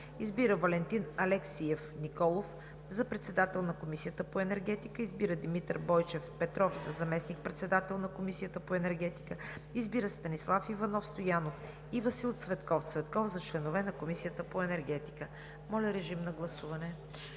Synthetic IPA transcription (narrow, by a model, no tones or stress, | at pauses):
izbiɾəvɐlɛnt̪inɐlɛksiɛfnikɔlˠof | zɐpɾɛt̪sɛd̪at̪ɛlˠnɐkomisijət̪əpoɛnɛɾɡɛt̪ikəizbiɾəd̪imit̪əɾbɔjt͡ʃɛfpɛt̪ɾɔfzɐzɐmɛsnik̚pɾɛt̪sɛd̪at̪ɛlˠnɐkomisijət̪əpoɛnɛɾɡɛt̪i̥kəizbiɾəst̪ɐnislˠafivɐnɔfst̪ojanof | ivɐsilˠt̪svɛt̪kɔft̪svɛt̪kɔfzɐt͡ʃlɛnovɛnɐkomisijət̪əpoɛnɛɾɡɛt̪i̥kə | mɔlʲɐɾɛʒimnɐɡlˠɐsuvɐnɛ